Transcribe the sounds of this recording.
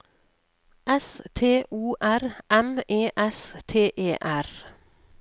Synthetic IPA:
ɛst̪ʰeːʔuːʔæɾʔɛmeːʔɛst̪ʰeːʔeːʔæɾ

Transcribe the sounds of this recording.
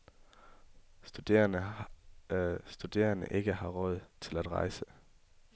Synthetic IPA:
sd̥ud̥e̝̰ɐnəʔe̝ɡ̥əhɑ̈ʁɔð̞̰ˠt͡sʰe̝læd̥ʁɑ̈ɪsə

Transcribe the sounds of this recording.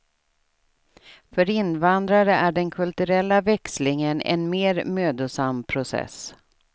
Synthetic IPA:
fœɾɪnvand̪ɾaɾəʔæɖɛnkʰɵlt̪ɵɾɛlːavɛkslɪŋənɛ̰nmeːɾmøːd̪ʊsampʰɾʊsɛ̰s

